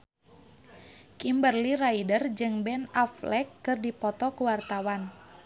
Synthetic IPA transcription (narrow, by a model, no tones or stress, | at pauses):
kimbərliɾaidərd͡ʒɨŋbɛnaflɛkːɨrdipɔt̪ɔkuwart̪awan